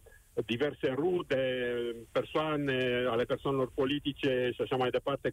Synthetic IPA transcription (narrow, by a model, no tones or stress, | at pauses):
d̪ivɛrserut̪epersoanealeperswanelorpolit̪it͡ʃeʃiaʃamajd̪epart̪e